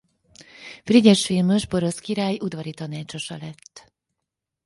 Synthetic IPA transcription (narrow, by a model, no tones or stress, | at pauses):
friɟɛʃfilmøʒbo̞ɾo̞skiɾaːjʔud̪vɒɾit̪ɒnaːt͡ʃo̞ʃɒlɛt̪ː